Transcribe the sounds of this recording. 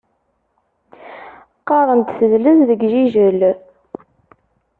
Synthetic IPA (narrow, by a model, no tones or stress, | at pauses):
qːɑɾˤənt̪θəðləððəɡʒiʒəl